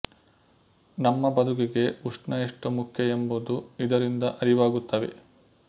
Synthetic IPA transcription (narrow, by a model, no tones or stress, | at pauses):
nɐmːɐbɐd̪ʱukiɡe̞uʂnɐiʂʈumukʰjɐembud̪uid̪ɐɾind̪ɐʔɐɾiʋaːɡut̪ːɐʋe̞̰